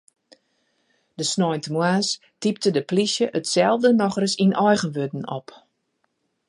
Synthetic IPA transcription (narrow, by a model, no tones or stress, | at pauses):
d̥əsnɔjntəmwaːs | tip̚tədəplisjəʔətsɛlˠvdənɔxrəsinʔɔjɣənʋødn̩ɔ̰p